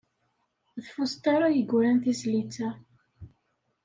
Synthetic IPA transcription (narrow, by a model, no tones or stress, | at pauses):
ðfʊst̪aɾˤajəɡʷɾænθizlit͡sːæ